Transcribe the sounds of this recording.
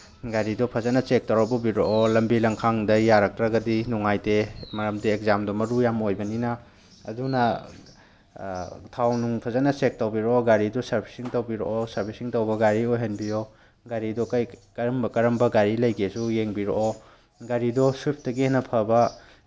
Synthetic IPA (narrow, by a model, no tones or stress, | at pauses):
ɡaɾidɔpʰɐzɐnɐt͡ʃek̚tɐwɾabubiɾoʔɔlɐmbilɐŋkʰaŋdɐjaɾɐk̚tɾɐɡɐdinuŋajtemɐɾɐmdiekzamdɔmɐɾujamojbɐninɐ | ɐ̰dunɐ | tʰawnuŋpʰɐzanɐt͡ʃek̚tɐwbiɾoɡaɾidɔsɐɾpʰi̥siŋtɐwbiɾo̰ʔosɐɾpʰisiŋtɐwbɐɡaɾiojɦɐnbiɔ | ɡaɾidɔkɐjkɐɾɐmbɐkɐɾɐmbɐɡaɾilɐjɡesujeŋbiɾo̰ʔo | ɡaɾidɔsup̚ʰdɐɡinːɐpʰɐbɐ